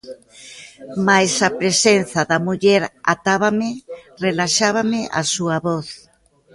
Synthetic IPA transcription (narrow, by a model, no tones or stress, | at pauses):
majsɐpɾesenθɐðɐmuʎɛɾa̰t̪aβamɪrelaʃaβamɪʔa̰suɐβɔθ